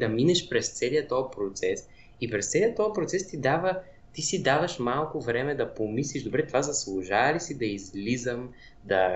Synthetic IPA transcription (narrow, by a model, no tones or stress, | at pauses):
d̪ɐminɛʃpɾɛst̪sɛliət̪ɔjpɾot̪sɛs | ipɾɛst̪sɛlijət̪ːɔjpɾot̪sɛst̪id̪avə | t̪isid̪avɐʃmalˠkovɾɛmɛd̪ɐpomisliʒd̪obɾɛt̪ovazɐslˠuʒalisid̪ɐizlizəm | d̪ɐ